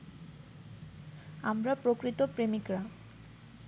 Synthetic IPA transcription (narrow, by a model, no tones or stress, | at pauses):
amɾapɾokɾit̪opɾemikɾa